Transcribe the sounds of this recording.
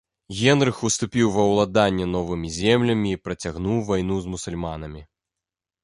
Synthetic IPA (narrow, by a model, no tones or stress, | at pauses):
ɣʲɛnɾɨxust̪upʲiwvɐwlˠad̪anʲːɛnɔvɨmʲizʲɛmlʲɐmʲiːpɾɐt͡sʲaɣnuwvajn̪uzmusulʲmanɐmʲi